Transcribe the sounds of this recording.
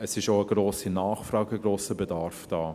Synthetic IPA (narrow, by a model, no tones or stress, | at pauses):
əsɪʃoəɡ̥roːsinaːχfrɑːɡəɡɾoːsəbɛdaɾfd̥aː